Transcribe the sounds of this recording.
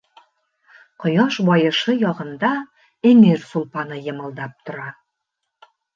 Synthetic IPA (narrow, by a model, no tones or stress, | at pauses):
qŏjɑʃbɒjɤ̆ʃɤjɒʁɤ̆nd̪ɑ | emiɾsulˠpɑnɤjɤ̆mɤ̆lˠd̪ɑp̚t̪ŏɾɑ